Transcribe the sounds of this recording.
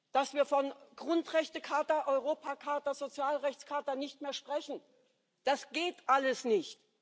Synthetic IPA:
d̥asv̥iːɐfɔnɡ̥ʁʊntʁ̥ɛçtəkʰaːtɐʔɔʏʁoːpʰakʰaːtɐzot͡sjaːlʁɛçt͡skʰaːtɐnɪçtmeːɐʃpʁ̥ɛçn̩ | d̥asɡ̥eːtʔaləsnɪçt

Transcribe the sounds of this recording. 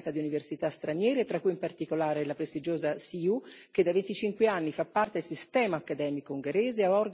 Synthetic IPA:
nsad̪iuniversit̪ast̪ɾanjɛːɾet̪ɾakːujimpart̪ikolaːɾelapɾest̪id͡ʒoːzasiuk̟ed̪ːavent̪it͡ʃiŋkweanːifapːart̪ed̪elsist̪ɛːmaːkːad̪ɛːmikouŋɡeɾeːzeaɔr

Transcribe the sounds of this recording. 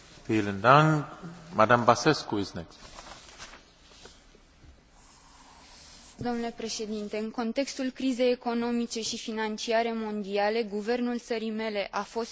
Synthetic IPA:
t̪elənd̪aŋmad̪ambaseskuisnek | d̪o̞mnule̞pɾe̞ʃe̞d̪int̪e̞ɨŋko̞nt̪e̞kst̪ulkɾize̞jeko̞no̞mit͡ʃe̞ʃifinant͡ʃiaɾe̞mo̞nd̪iale̞ɡuve̞rnult̪səɾime̞le̞ʔafo̞st̪

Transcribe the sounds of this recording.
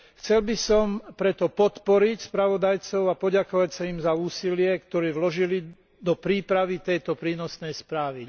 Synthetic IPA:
xt͡sɛlbisɔmpɾɛt̪ɔpɔt̪pɔɾicspɾaʋɔd̪ajt͡sɔʊapɔɟakɔʋacsaimzauːsilɪɛkt̪ɔɾiːʋlɔʒili | d̪ɔpɾiːpɾaʋit̪ɛjt̪ɔpɾiːnɔsnɛjspɾaːʋi

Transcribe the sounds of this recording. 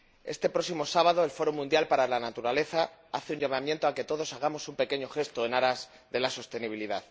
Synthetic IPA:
e̞̰st̪e̞pɾo̞simo̞saβaðo̞e̞lfo̞ɾomũnd̪jalpaɾalanat̪uɾale̞θaa̰θeuɲʎamamjent̪o̞ake̞t̪o̞ð̞o̞saɣ̞amo̞sumpe̞ke̞ɲoxe̞st̪oe̞naɾaz | ðe̞laso̞st̪e̞niβ̞iliðað

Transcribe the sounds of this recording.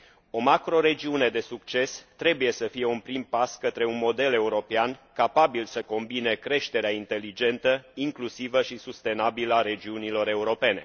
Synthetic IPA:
o̞makɾo̞ɾe̞d͡ʒiune̞d̪e̞suk̚t͡ʃe̞st̪ɾe̞buje̞səfije̞unpɾimpaskət̪ɾe̞unmo̞d̪e̞le̞uɾo̞peankapabilsəko̞mbine̞kɾe̞ʃt̪e̞ɾeaint̪e̞lid͡ʒe̞nt̪əiŋklusivəʃisust̪e̞nabiləaɾe̞d͡ʒiunilo̞ɾe̞uɾo̞pe̞ne̞̰

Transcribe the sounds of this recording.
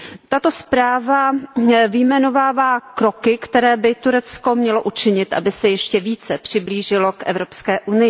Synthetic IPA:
t̪at̪ospɾaːvavɪjmɛno̞vaːvaːkɾo̞kɪkt̪ɛɾɛːbɪt̪uɾɛt͡sko̞mɲɛlo̞ʔut͡ʃɪɲɪt̪ʔa̰bɪsɛjɛʃcɛviːt͡sɛpr̝̥ɪbliːʒɪlo̞kʔɛ̰vɾo̞pskɛːʔunɪjɪ

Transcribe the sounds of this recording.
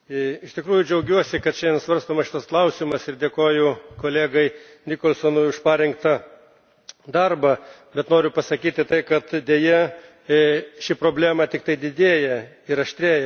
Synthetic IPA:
ɪʃt̪ʲɪkɾuːjʊd͡ʒʲɛʊɡʲuɔsʲɪkɐt̪ʃʲɛɛnsʋɐɾst̪oːmɐʃɪt̪ɐsklˠɐʊsʲimɐsɪɾd̪ʲeːkoːjʊkoːlʲeːɡɐɪ | nʲiːkoːlʲˠsonʊʊʃpɑːɾʲɪŋkt̪ɐ | d̪ɐrbɐbʲɛt̪noːɾʲʊpɐsɐkʲiːt̪ʲɪt̪ɐɪkɐt̪d̪ʲeːjɛ | ʃʲɪpɾoːbʲlʲæːmɐt̪ʲɪk̚t̪ɐɪd̪ʲɪd̪ʲeːjɛ | ɪɾɐʃʲt̪ʲɾʲeːjɛ

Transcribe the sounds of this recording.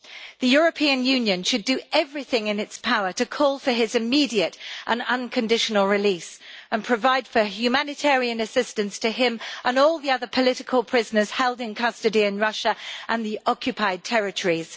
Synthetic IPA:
ðɨjʊɹəpʰiɨ̃njʉ̃njɨ̃nʃɨdɨʔɛvɹiθɪ̃ŋɪ̃nɪtspʰaʊə˞tɨkʰɔːlˠfə˞ɪzɨmidiɨtʔə̃nʌ̃nkʰɨ̃ndɪʃənəlˠɹɪlisə̃npʰɹ̥əvaɪd̥fəhjʉmænɨtʰɛɹiɨ̃nɨsɪstɨ̃nstʰɨɪ̃mʔə̃nɔlˠðiʌðə˞pʰəlɪɾɪkʰəlˠpʰɹ̥ɪznə˞z̥hɛlˠdɪ̃nkʰʌstɨdiɨ̃nɹʌʃəʔə̃nðiʔɑkʰjɨpʰaɪd̚tʰɛɹɨtʰəɹiz̥

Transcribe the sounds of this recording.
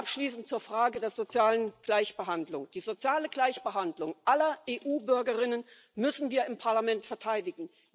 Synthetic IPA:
ʔapʃliːsn̩tt͡suːɐfʁ̥aːɡədeːɐzot͡sjaːlənɡ̥laɪçb̥əɦandlʊŋd̥iːzot͡sjaːləɡlaɪçb̥əɦandlʊŋʔalɐʔeːʔuːbʏɐɡɐʁɪnən | mʏsn̩viːɐɪmpʰaɐlamɛntfɛɐtʰaɪdɪɡŋ̩

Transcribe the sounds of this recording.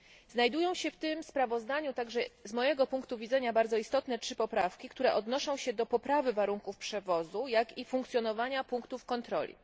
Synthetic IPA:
znajd̪ujɔ̃w̃ɕɛft̪ɘmspɾavɔzd̪aɲut̪aɡʐɛzmɔjɛɡɔpuŋkt̪uvʲid̪zɛɲabaɾd̪zɔist̪ɔt̪nɛtʂɘpɔpɾafkʲikt̪uɾɛʔɔd̪nɔʂɔ̃w̃ɕɛd̪ɔpɔpɾavɘvaɾuŋkufpʂɛvɔzujakifuŋkt̪sʲjɔnɔvaɲapuŋkt̪ufkɔnt̪ɾɔ̰lʲḭ

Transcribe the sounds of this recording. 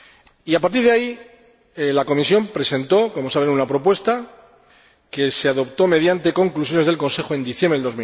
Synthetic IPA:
iapaɾt̪iɾðeai | elako̞misjo̞mpɾe̞se̞nt̪o̞ko̞mo̞saβe̞nunapɾo̞pwe̞st̪a | ke̞seaðo̞pt̪o̞me̞ðjant̪e̞ko̞ŋklusjo̞nezð̞elko̞nse̞xoe̞nd̪iθjembɾeðo̞zmi

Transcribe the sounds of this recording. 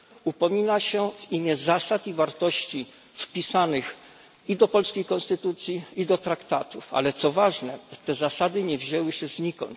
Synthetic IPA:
upɔmʲinaɕɛvimʲjɛzasat̪ivaɾt̪ɔɕt͡ɕi | fpʲisanɘx | id̪ɔpɔlskʲejkɔ̃nst̪ɘt̪ut̪sʲjiid̪ɔt̪ɾakt̪at̪ufa̰lɛt̪sɔvaʐnɛt̪ɛzasad̪ɘɲɛvʑɛwɘɕɛzɲikɔ̰n

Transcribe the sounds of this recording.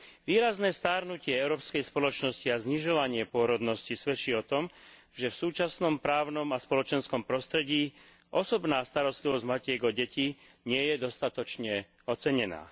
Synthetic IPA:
ʋiːɾaznɛːst̪aːɾnucɪɛɛʊɾɔːpskɛjspɔlɔt͡ʃnɔsciazɲiʒɔʋaɲɪɛpʊɔɾɔd̪nɔscisʋɛt͡ʃiːɔt̪ɔm | ʒɛfsuːt͡ʃasnɔmpɾaːʊnɔmaspɔlɔt͡ʃɛnskɔmpɾɔst̪ɾɛɟiː | ʔɔsɔbnaːst̪aɾɔst̪liʋɔzɟmacɪɛɡɔɟɛci | ɲɪɛjɛd̪ɔst̪at̪ɔt͡ʃɲɛ | ɔt͡sɛɲɛna̰ː

